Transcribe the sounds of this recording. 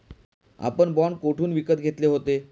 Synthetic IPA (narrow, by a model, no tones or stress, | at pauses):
a̰pəɳbɔɳkoʈʰuːnʋikət̪ɡʱet̪leɦot̪e